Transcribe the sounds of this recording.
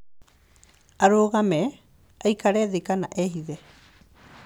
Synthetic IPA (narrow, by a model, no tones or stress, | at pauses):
aɾoːɣame | ajkaɾeðikanaʔeɦiðe